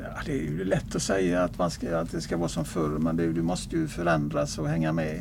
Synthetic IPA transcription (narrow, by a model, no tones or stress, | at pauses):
jɑːd̪ɛæɾjʉlɛt̪ːɔsɛjːaːt̪manskaat̪d̪ɛskavɑːsɔmfœɾmɛnd̪ɛjd̪ɵmɔst̪əjɵfœɾɛnd̪ɾasɔhɛŋːamɛ